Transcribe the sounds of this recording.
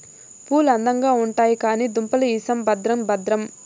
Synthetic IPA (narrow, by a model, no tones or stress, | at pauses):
puːlɐnd̪ɐŋɡaːuɳʈaːjikaːniːd̪umpɐlɐiːsɐmbɐd̪ɾɐmbɐd̪ɾɐm